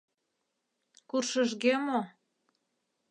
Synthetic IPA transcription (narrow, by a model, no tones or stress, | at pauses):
kurʃəʒɣemo